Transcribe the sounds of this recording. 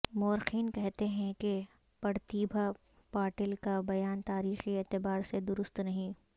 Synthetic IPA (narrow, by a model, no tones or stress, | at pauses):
moːɾxiːnkɛɦt̪eɦɛ̃ke | pɐɾt̪iːbʱa | paːʈɪlkabɐjaːnt̪aːɾiːxieːt̪ɪbaːɾsed̪ʊɾʊst̪nɐɦĩː